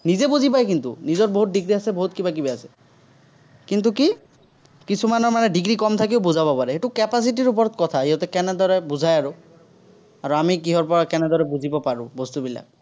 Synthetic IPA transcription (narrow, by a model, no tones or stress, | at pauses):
nizebuzipajkint̪ṵnizɔɹboɦut̚diɡɹiasɛboɦut̚kibakibɛasɛ̥ | kint̪̬uki | kisʰumanɔɹmanɛɖiɡɹikɔmt̪ʰakiʊbuzabɔpaɹɛɦetukɛpas̬itiɹup̬ɔɹɔt̪̚kɔt̪ʰaɦiɦɔt̪ɛkɛnɛd̪ɔɹɛbuzʱajaɹʊ | aɹuamikiɦɔɹpɔɹakɛnɛd̪ɔɹɛbuzʱibɔpaɹʊ̃bɔst̪ubila̰k̚